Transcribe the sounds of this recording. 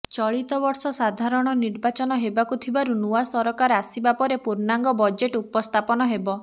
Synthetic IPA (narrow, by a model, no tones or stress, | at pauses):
t͡ʃɔɭit̪ɔbɔɾsɔsad̪ʱaɾɔɽ̃ɔniɾbat͡ʃɔnɔɦebakut̪ʰibaɾunuwasɔɾɔkaɾasibapɔɾepuɾnaŋɡɔbɔd͡ʒeʈupɔst̪ʰapɔnɔɦebɔ